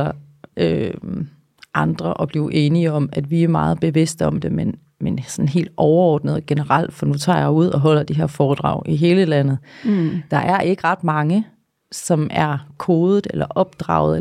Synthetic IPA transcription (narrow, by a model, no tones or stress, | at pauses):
ɐ | ø | ʔɑ̈nd̥ʁɐʔɒ̽b̥liːʊʔe̝ːniəɒ̽mæd̥ʋiæɐmɑ̈ːð̞̩ˠb̥e̝ʋe̝sd̥əɒ̽md̥e̝men | mensɒnn̩ɦe̝̰ːld̥ɒʊɐɒ̰ːd̥nəð̞ˠɡ̥enəʁɑl̰d̥fɒ̽nut͡sʰɑ̰̈ːjɑuð̞̰ˠɒ̽ɦɒ̽l̰ɐd̥iɦe̝ɐ̰fɒːd̥ʁɑ̰̈ʊ̰ʔiɦe̝ːləlænð̩ˠd̥ɑ̈ʔæɐʔe̝ɡ̥əʁɑ̈d̥mɑ̈ŋə | sɒ̽mæɐkʰo̝ːð̩ˠelɐʔɒ̽b̥̚d̥ʁɑ̰̈ʊð̩ˠe